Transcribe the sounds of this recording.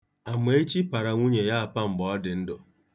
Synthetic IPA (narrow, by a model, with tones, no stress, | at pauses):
a˨me˨˦e˦t͡ʃi˦pa˨ɾa˨ŋʷu˦ɲe˨ja˦a˨pa˦ŋ͡m̩˨ɡ͡bɔ˨ɔ˦dɪ˨n̩˦dʊ˨